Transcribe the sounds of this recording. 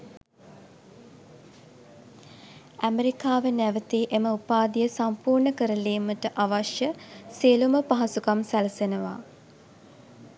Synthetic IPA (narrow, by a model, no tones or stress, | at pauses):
æmeɾikaːʋənæʋət̪iːʔeməupaːd̪ijəsampuːrɳəkəɾəleːməʈəʔaʋaʃjəsiːluməpaɦɐsukamsæləsenəʋa̰ː